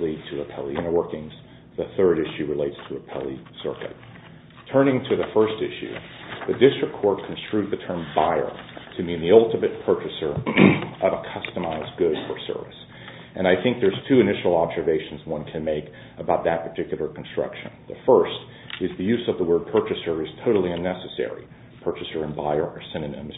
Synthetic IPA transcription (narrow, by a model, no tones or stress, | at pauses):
lid̚tʰɨəpʰɛlˠiɨ̃nə˞wɜ˞kɪ̃ŋz̥ | ðɨθɜ˞ɾɪʃʉɹɨleɪtstʰəːpʰɛ̰lˠisɜ̰˞kɨ̰t̚ | tʰɜ̃˞nɪ̃ŋtʰɨðɨfɜ˞stɪ̰ʃʉ̰ðɨdɪstɹ̥ɨkʰːɔɹt̚kʰn̩stɹ̥ʉðɨtʰɜ̃˞mbaɪə̰˞tʰɨmĩnðiʌlˠtɨmɨt̚pʰɜ˞t͡ʃɨsə˞ʔʌvəkʰʌstəmaɪzɡʊd̥fə˞sɜ̰˞vɨ̰s | ʔɨ̃naɪθɪ̃ŋk̚ðə˞z̥tʰʉɨnɪʃl̩ˠɑbzə˞veɪʃn̩zwʌ̃nkʰɨ̃nmeɪk | əbaʊt̪̚ðɨt̚pʰə˞tʰɪkjl̩ˠə˞kʰn̩stɹ̥ʌ̰kʃɨ̰̃nðəfɜ˞st | ɨzðɨjʉzʌvðəwɜ˞d̚pʰɜ˞t͡ʃɨsə˞ɨz̥tʰoʊɾl̩ˠiɨ̃nːɛsɨsɛ̰ɹḭ | pʰɜ˞t͡ʃɨsə˞ɨ̃nbaɪə˞ʔə˞sɪ̃nɨnɪ̰̃mz